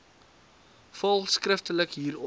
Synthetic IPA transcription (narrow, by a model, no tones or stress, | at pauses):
fɐlˠskrəftələkɦiːɾɔ